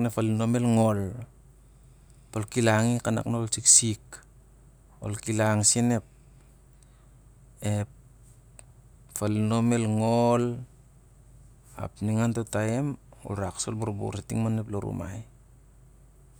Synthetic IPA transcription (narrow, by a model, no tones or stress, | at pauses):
nefalino̞melŋo̞l | polkilaŋikana̰knaolsiksik | o̰lkilaŋsine̞p̚ | ep | falino̞me̞lŋol | a̰pniŋantotaemo̰lɾaksolbuɾbṵɾetiŋmaneploɾṵma̰j